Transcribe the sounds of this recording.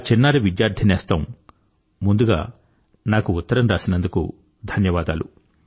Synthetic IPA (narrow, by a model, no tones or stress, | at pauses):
t͡ʃinːaːɾiʋid̪jaːɾd̪ʰʱɐnɛːst̪ɐːm | mːund̪uɡa̰ː | naːkuːt̪ːɐɾɐmɾaːsinɐnd̪ukṵ | d̪ʱɐnjɐʋaːd̪aːlṵ